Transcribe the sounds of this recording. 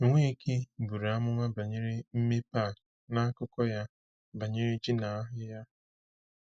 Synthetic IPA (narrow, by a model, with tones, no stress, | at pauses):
ŋʷe˦ke˦bu˨ɾa˦mʊ˦mʷa˦ba˨ɲɪ˦ɾi˦m̩˦me˦pa˦˨ | na˦a˦kʊ˦kɔ˦ja˦ | ba˨ɲe˦ɾi˦d͡ʒi˦na˨a˦ɦɪ˦ja˦